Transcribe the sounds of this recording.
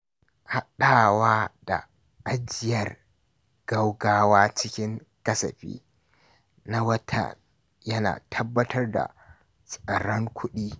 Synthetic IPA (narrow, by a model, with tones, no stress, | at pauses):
ha˦ɗaː˦˨waː˦d̥a̰˨ | ʔa˦d͡ʒɪ˨jɐ˨r | ɡ̥ɐ˦wɡaː˦waː˦t͡ʃɪ˦kʲɪ˦ŋ | kɐ˦sɐ˨ɸḭː˦ | na˦wɐ˦tʰɐ̰˨n | jɐ˦na̰ː˨tʰɐ˦bːɐ˦tʰɐ˦rda̰˨ | sʼɐ˨ɽɐ˦ŋkʷʰʊ˦ɗiː˦